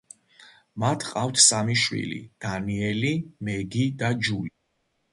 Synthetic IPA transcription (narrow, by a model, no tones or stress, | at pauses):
mat̪ʰqʼaft̪ʰsamiʃwḭlḭd̪̥aniɛlimɛɡid̪ad͡ʒuli